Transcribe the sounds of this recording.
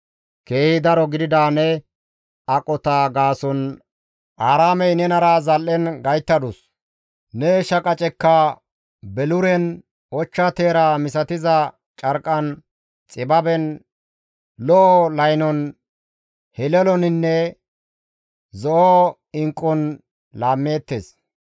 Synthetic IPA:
ke̞ːhɪd̪ɐɾɔɡɪd̪ɪd̪aːnɛ | ɐkʼɔt̪aːɡaːsɔn | ʔaːɾaːmɛjnɛnɐɾaːzɐlʔɛnɡɐjt̪ːɐd̪ʊs | nɛʃɐkʼɐt͡ʃʼɛkːɐ | bɛlʊɾɛn | ɔt͡ʃːɐt̪e̞ːɾamɪsɐt̪ɪzɐ | t͡ʃʼɐɾkʼɐn | t͡sʼɪbɐbɛn | lɔʔlɐjnɔn | hɛlɛlɔnɪnːɛ | zɔʔo | ɪŋkʼːɔn | laːmːe̞ːt̪ːeːs

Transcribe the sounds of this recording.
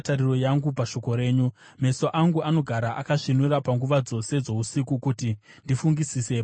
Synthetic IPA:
tariro̞jaŋɡupaʃo̞ko̞ɾe̞ːɲu | me̞so̞ʔaŋɡuano̞ɡʱaɾaʔa̰kaʂinuɾapaŋɡuʋad͡zo̞se̞d͡zo̞usikukuti | ndifuŋɡisiseː

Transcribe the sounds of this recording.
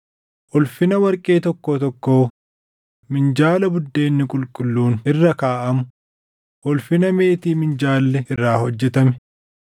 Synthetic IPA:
ʔʊlfɪnɐwɐɾkʼe̞ːt̪ɔkːoːt̪ɔkːoː | mɪnd͡ʒaːlɐbʊd̪ːe̞ːnːɪkʼʊlkʼʊlːuːnɪrːɐkaːʔɐmʊ | ʔʊlfɪnɐme̞ːt̪iːmɪnd͡ʒaːlːɛɪrːaːhɔd͡ʒːɛt̪ɐmɛ̥

